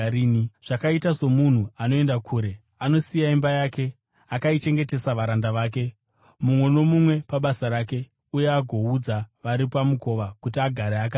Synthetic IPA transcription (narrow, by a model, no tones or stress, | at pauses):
iːiʐ̥akaitazo̞mun̤uano̞e̞ndakʰuːɾe̞ | ano̞sijaimbajaːke̞ | akait͡ʃe̞ŋɡe̞te̞saʋaɾandaʋaːk̬e̞ | mumwe̞no̞mumwe̞paɓasaɾake̞ | uje̞aɡʱo̞ud͡zaʋaɾipamuko̞ʋakutiaɡʱaɾeak̬aː